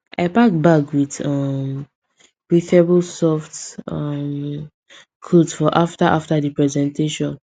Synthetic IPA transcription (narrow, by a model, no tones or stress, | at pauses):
a̰ɪpak̚bakwidɔm | ɹiθɛbulsɔftʌm | kʰodsfɔʔaftaʔaftadipɹɛzɛ̃ntʰeʃɔ̃n